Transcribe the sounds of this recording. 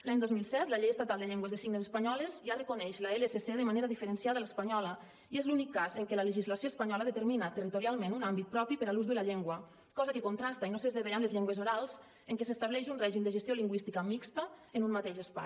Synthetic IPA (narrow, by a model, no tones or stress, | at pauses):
laɲd̪ozmilˠsɛt̪ləʎejəst̪at̪alˠd̪əʎeŋɡwəzðsiɡnezəspaɲɔlezʒarəkonɛʃlaeleseseðəmaneɾaðifəɾənsiaðələspaɲɔlə | iezlunikːazəŋkələləʒizlasioespaɲɔləðət̪əɾminat̪ərit̪oɾialˠmẽnunambit̪̚pɾɔpipəɾaluzðəlaʎeŋɡwə | kɔzəkəkont̪ɾast̪ainosezðeβeʎanlezʎeŋɡwezoɾalˠz̥ | eŋkesəst̪aβlɛʃunrɛʒimd̪əʒəst̪joliŋɡwist̪ikəmikst̪əənunmat̪eʃəspa̰j